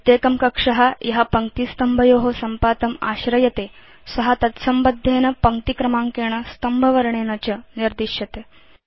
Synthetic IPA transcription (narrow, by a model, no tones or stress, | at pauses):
t̪eːkɐmkɐkʂɐɦajɐɦapɐŋkt̪iːst̪ɐmbʱɐjoːɦosɐmpaːt̪ɐma̰ːɕɾɐjɐt̪eː | sɐɦat̪ɐt̪sɐmbɐd̪ʱːeːnɐpɐŋkt̪ikɾɐmaːŋkeːɳ̃ɐst̪ɐmbʱɐʋɐɾɳ̃eːnɐt͡ɕɐniɾd̪iʃjɐt̪eː